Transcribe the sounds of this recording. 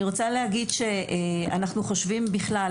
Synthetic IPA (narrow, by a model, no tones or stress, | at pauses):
iʁot͡salehaɡidʃe̞a̰naχnuχo̞ʃvimbiχla